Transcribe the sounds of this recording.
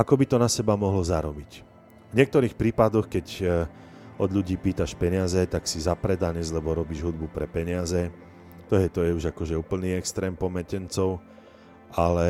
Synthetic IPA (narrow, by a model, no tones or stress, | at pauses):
akɔbit̪ɔnasɛbamɔɦlɔzaɾɔbic | vɲɛk̚t̪ɔɾiːxpɾiːpad̪ɔxkɛɟ | ɔd̪ʎuɟiːpiːt̪aʃpɛɲɪazɛt̪aksizapɾɛd̪aɲɛzlɛbɔɾɔbiːʒɦud̪̚bupɾɛpɛɲɪazɛ | t̪ɔɦɛt̪ɔjɛuʒakɔʒɛuːpl̩niːɛkst̪ɾɛːmpɔmɛcɛnt͡sɔʊ | alɛ